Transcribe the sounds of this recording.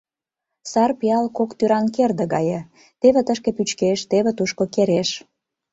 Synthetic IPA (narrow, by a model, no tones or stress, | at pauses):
sɑrpiɑlkokt̪yɾɑnkerd̪ĕɣɑjĕ | t̪eβĕt̪əʃkĕpyt͡ɕkeʃt̪eβĕt̪uʃkokeɾeʃ